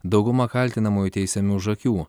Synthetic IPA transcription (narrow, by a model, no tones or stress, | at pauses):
d̪ɒʊɡʊmɐkɐlʲt̪ʲɪnɐmoːjuˑt̪ʲɛɪsʲɛmʲuːʒɐkʲuː